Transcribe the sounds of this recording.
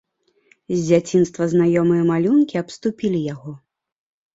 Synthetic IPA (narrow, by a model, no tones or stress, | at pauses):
zʲd͡zʲat͡sʲinst̪vɐznajɔmɨjɐmalʲunkʲiɐpst̪upʲilʲijaɣɔ